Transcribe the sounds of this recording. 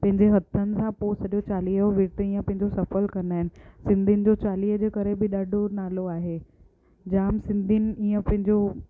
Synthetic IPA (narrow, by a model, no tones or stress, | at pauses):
pɐ̃ɦɪ̃ɲd͡ʑeɦɐt̪ʰənɪ̆sãposɐɗjot͡ɕaːliːəʋiːʈ̪eĩːə̃pɐ̃ɦɪ̃ɲd͡ʑosɐfəlkɐɾənaːɦɪnɪ̆sɪ̃nd̪ʱinɪ̆d͡ʑot͡ɕaːliːɦəd͡ʑeːkɐɾebɪɗaːɖʱonaːloaːɦeː | d͡ʑaːmsɪ̃nd̪ʱinɪ̆iːə̃pɐ̃ɦɪ̃ɲd͡ʑo